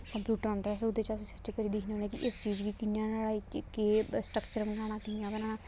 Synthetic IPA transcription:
kəmpjuːʈəɾɔ̃ːnd̪aːsʊd̪eːt͡ʃaːisət͡ʃekəɾiːd̪ɪkʰnõːnẽːkiʔɪst͡ʃiːd͡ʒɡiːkɪnjãːnəɽaːiːt͡ʃkeːsʈɾəkt͡ʃəɾmənaːɽ̃ãːt̪ɪjãːbənãːnãː

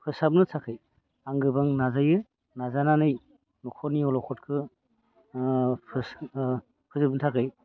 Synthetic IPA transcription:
pʰɯsap̚nɯtʰakʰɯj | aŋɡɯbaŋnazajɯ | nazananɯj | nɔkʰɔniɔlɔkʰɔt̚kʰɯ | pʰɯs | pʰɯzɯp̚nɯtʰakʰɯj

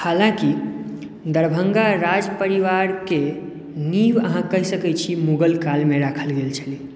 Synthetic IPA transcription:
halãki | d̪əɾbʱəŋɡaɾad͡ʒpəɾiʋaɾke | niʋəɦãkəɦisəkɛt͡ʃʰimuɡəlkalmeɾakʰəlɡelt͡ʃʰəli

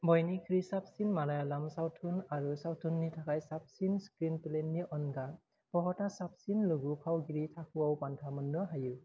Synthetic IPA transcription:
bɔjnikʰɹisap̚sinmalajalamsawtʰunaɹusawtʰunːitʰakajsap̚sinskɹinpilenːiʔɔnɡa | pɔɦɔtasap̚sinlɯɡupʰawɡiɹitʰakuawpantʰamɔnːɯɦajɯ

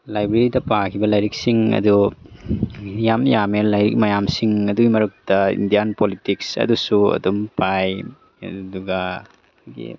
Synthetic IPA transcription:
lajbɾeɾidɐpakʰibɐlajɾik̚siŋɐ̰du | jamjamelajɾik̚mɐjamsiŋɐduɡimɐɾuk̚tɐḭndijanpolitiksɐ̰dusuɐ̰dumpaj | ɐ̰duɡɐ | ɡḭ

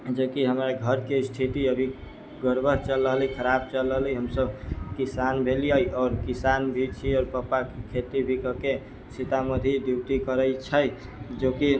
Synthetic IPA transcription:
d͡ʒokiɦəmɾaɡʱəɾkesʈʰit̪iəbʱi | ɡəɾbʱəɦt͡ʃəlːəɦləikʰəɾab̚t͡ʃəlːəɦliɦəmsəbkisanbʱelijəjɔːɾkisanbʱit͡ʃʰiɔːɾpəpakkʰet̪ibʱikəke | sit̪aməd̪ʱid̪iwʈ̪ikəɾəjt͡ʃʰəj | d͡ʒoki

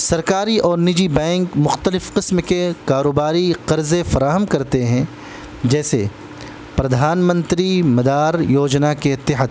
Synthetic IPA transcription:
sɐɾkaːɾiʔɔːɾnɪd͡ʒibɛ̃ːŋkmʊxt̪əlɪfqɪsmkekaːɾoːbaːɾiqɐɾzefɐɾaːɦəmkɐɾt̪eɦɛ̃ | d͡ʒɛːse | pɾɐd̪ʱaːnmə̃nt̪ɾimɐd̪aːɾjoːd͡ʒnakeɪt̪ːɪɦəd̪

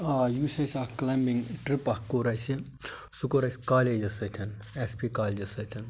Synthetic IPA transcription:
ajuːsɐsʲaklɐmbiŋʈɾipɐkoɾɐjsi | sukoɾɐjsʲkaːled͡ʒɐsɐt̪ʰɐn | espikaːlʲd͡ʒɐsɐt̪ʰɐn

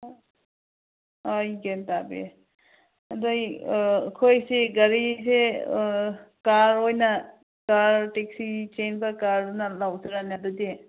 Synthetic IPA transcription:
ojɡentabḛ | ɐdojkʰojseɡɐɾise | kaɾojnɐ | kaɾtek̚sit͡ʃenbɐkaɾnɐlawzɯɾanadude

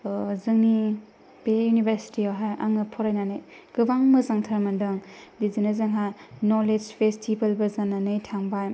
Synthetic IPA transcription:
zɯŋni | b̥ejunibeɾsi̥tiaɦajʔa̰ŋɯpʰɔɾajnanɯjɡ̥ɯbaŋmɐzaŋtʰɐɾmɐndɯŋdizinɐzɯŋɦanoled͡ʒpʰestʰibɐlbɐzaŋnanɯjtʰaŋbajm

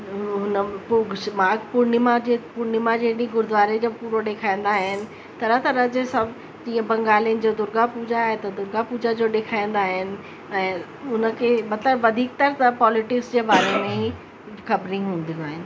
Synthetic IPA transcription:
ɦʊnəpʊɡʃmaːɡpʊɾnɪmad͡ʑepʊɾnɪmad͡ʑeːɗĩɡʊɾd̪ʊʋaːɾed͡ʑoːpuːɾoɗeːkʰaːĩn̆d̪aːɦɪnɪ̆ | t̪ɐɾət̪ɐɾɐd͡ʑesã | d͡ʑiːə̃bɐ̃ŋɡaːliənɪ̆d͡ʑoːd̪ʊɾɡapuːd͡ʑaaːɦet̪ɐd̪ʊɾɡapuːd͡ʑad͡ʑoːɗeːkʰaːĩn̆d̪aːɦɪnɪ̆ | ɛ̃ː | ʊnə̆kʰemɐt̪ləbʋɐd̪ʱiːk̚t̪ɐɾət̪ɐpɔːlɪʈɪksd͡ʑeːbaːɾemẽ | xɐbɾĩɦũːnd̪ĩnd̪aːɦɪnɪ̆

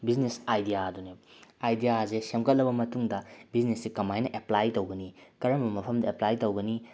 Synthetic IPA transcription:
biznesajdijaduneajdijazesemkɐt̚lɐbɐmɐtuŋdɐbiznesːikɐmajnɐʔeplajtowɡɐnikɐɾɐmɐbɐmɐpʰɐmdɐeplajtowɡɐni

